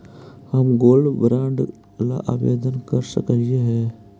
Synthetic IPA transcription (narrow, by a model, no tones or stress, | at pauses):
həmɡoːlɖbɾãːɳɖ | la̰ʔaːbḛːd̪ənkəɾsə̰kəlieɦɛː